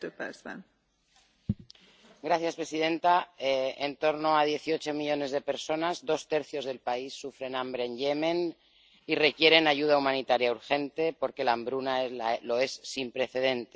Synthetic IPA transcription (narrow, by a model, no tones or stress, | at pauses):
epḛsa̰n | ɡɾaθjaspɾe̞sið̞e̞nt̪aeent̪o̞ɾno̞að̞je̞θio̞t͡ʃo̞miʎo̞ne̞zð̞e̞pe̞ɾso̞nazðo̞st̪e̞ɾθjo̞zð̞e̞lpaisːufɾe̞nambɾe̞ːɲʎemẽ̞n | ire̞kje̞ɾe̞naʝuð̞aumãnit̪aɾjauɾxe̞nt̪e̞po̞ɾke̞lambɾunaelalo̞e̞sːimpɾe̞θe̞ðe̞nt̪e